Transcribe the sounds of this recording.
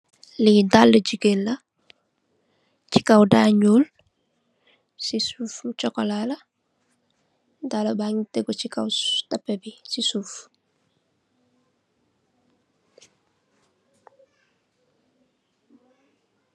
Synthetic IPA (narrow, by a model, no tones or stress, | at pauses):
lidalːəd͡ʒiɡelːɐ | t͡ʃi̥kawdaɲol | sisuft͡ʃɔkɔlalɐ | dalɐbaŋiteɡot͡ʃikawtɐpːɛbisisuf